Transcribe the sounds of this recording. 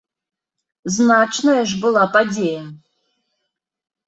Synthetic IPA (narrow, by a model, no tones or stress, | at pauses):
znat͡ʃʰnɐjɐʐbɨlˠapadʲejɐ